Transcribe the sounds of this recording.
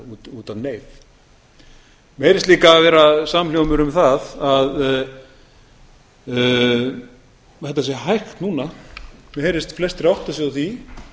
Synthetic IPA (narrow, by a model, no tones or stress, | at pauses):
uːt̪uːt̪avneːjv | mhɛjɾɪst̪liːkavɛːɾasamljowmʏɾʏmθaðað | hɛt̪ːasjɛɦajxt̪nuːnamhɛːɾɪst̪flɛst̪rjawht̪asjɛðaθi